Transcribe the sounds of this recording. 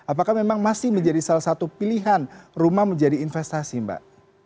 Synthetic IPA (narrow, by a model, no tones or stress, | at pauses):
apakahmemaŋmasɪhməɲd͡ʒadisalahsat̪upiliɦanrumahməɲd͡ʒadiːnfɛst̪asimba̰ʔ